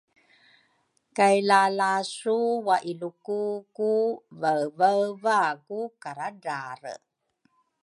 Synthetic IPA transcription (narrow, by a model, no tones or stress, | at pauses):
kajlalasuwaʔilukukuvəvəvakukaɾadaɾə̰